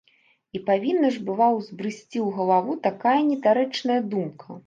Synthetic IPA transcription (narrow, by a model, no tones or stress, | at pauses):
ipavʲinːɐʐbɨvawzbɾɨsʲt͡sʲiwɣɐlˠavut̪akajɐnʲɛt̪aɾɛt͡ʂnɐjɐd̪umkʰɐ